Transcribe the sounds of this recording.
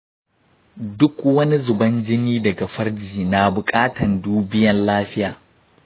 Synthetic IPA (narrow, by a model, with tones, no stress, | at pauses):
dʊ˦kwɐ˦ni˦zʊ˨bɐ˦nd͡ʒɪ˦niː˦dɐ˨ɡa˨ɸɐ˦rd͡ʒiː˨na˨bʊ˨kʼaː˦tɐ˨nduː˦bɪ˦jɐ˨nlaː˦ɸɪ˦jaː˨